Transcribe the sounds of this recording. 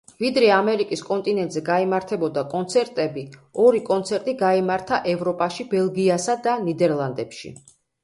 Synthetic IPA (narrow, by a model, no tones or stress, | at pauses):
vid̪ɾɛamɛɾikʼiskʼɔnt̪ʼinɛnt̪ʼzɛɡaimaɾt̪ʰɛbɔd̪akʼɔnt̪sʰɛɾt̪ʼɛbiɔɾikʼɔnt̪sʰɛɾt̪ʼiɡaimaɾt̪ʰaʔɛvɾɔpʼaʃibɛlˠɡiasad̪anid̪ɛɾlˠand̪ɛpʃḭ